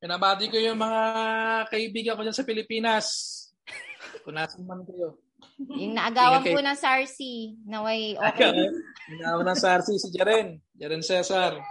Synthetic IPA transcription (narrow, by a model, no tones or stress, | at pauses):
pɪnɐbaːd̪ɪkojʊŋmɐŋaakɐʔɪbiːɡɐŋkod͡ʒansɐpɪlɪpiːnɐs | kʊnaːsɐnmɐnkɐjo̞ | jʊŋnɐʔɐɡaːwɐŋkkonɐsaɹsinɐwɐjʔoɡawjʊŋnɐawɐnɐsɐɾsisɪd͡ʒɐɾɛnd͡ʒɐɾɛnsɛːsɐɾ